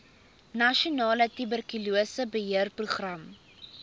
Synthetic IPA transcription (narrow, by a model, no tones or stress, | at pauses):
nɐʃionɑːlətybərkyluəsəbəɦiərpruχrɐm